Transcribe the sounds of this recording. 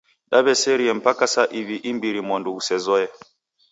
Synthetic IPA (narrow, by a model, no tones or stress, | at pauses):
ɗaβɛsɛɾiɛm̩pakasaʔiβiʔimbiɾimɔnduusɛzɔjɛ